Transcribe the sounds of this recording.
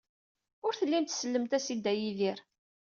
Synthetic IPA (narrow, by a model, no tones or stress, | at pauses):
ʊɾθəlːimt̪səlːəmt̪æsid̪æjiðiɾ